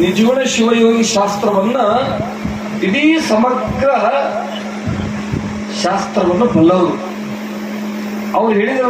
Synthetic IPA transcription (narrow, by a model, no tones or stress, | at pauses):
nid͡ʒɐʋɐɳeʃiʋɐjoːɡiʃaːst̪ɾɐʋɐnːɐ | iɽisɐmɐɡɾɐɐ | ʃaːst̪ɾɐʋɐnːɐbɐɭːɐʋɐɾu | ɐʋɐɾuɦe̞ːɭid̪ɐɾ